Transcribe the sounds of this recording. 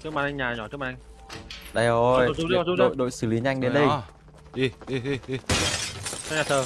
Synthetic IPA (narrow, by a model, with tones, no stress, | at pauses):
t̪ʰɨ˦˥maː˨˩nʔa˧ŋɲaː˨˩ɲɔ˧˩t̪ɨ˦˥ma˨ʔŋ | ɗa˧jo˨˧˩jɔ˧˨u˧˦˧o̰˧˨jɗo̰˧˨jsɨ˧˩li˨˦ɲʔa˧jŋ̟ɗe˨˦nɗə˧j | i˧˩i˧i˧i˧ | ɔ˧˦ɲaː˨˩əː˨˩